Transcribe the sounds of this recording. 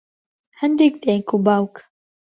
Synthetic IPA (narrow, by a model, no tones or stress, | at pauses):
hɛnd̪ik̚d̪ejkubaːwk